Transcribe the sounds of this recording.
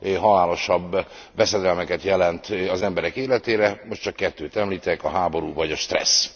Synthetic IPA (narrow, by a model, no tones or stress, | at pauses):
ɦɒlaːlo̞ʃɒbː | vɛsɛd̪ɛlmɛkɛt̪jɛlɛnt̪ɒzɛmbɛɾɛkeːlɛt̪eːɾɛmo̞ʃtt͡ʃɒkːɛt̪ːøːt̪ɛmliːt̪ɛkɒɦaːbo̞ɾuːvɒɟɒʃt̪rɛ̰s